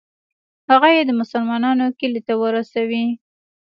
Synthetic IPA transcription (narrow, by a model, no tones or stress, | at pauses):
haɣajed̪əmʊsalmɑnɑnokəlit̪awəɾasawi